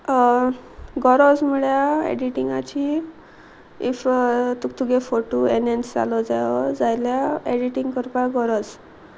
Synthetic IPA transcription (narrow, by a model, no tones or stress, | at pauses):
ɡɔɾɔd͡zməɭjaḛɖiʈiŋɡat͡ɕi | ift̪ukt̪uɡefoʈuenensd͡za̰lɔd͡zajɔd͡zajljaeɖiʈiŋɡkəɾpaɡɔɾɔd͡z